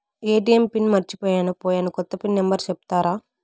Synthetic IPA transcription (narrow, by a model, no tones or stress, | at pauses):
eːʈijɐmpinmɐɾt͡ʃipɔːjaːnupɔːjaːnukɔt̪ːɐpinːɛmbɐɾt͡ʃepu̥t̪aːɾaː